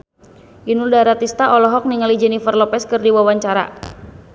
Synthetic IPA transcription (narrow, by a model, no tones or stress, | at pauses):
ʔinuldaɾat̪ist̪aʔɔlɔɦɔk̚niŋalid͡ʒɛnifərlɔpɛskɨrdiwawaɲt͡ʃaɾa̰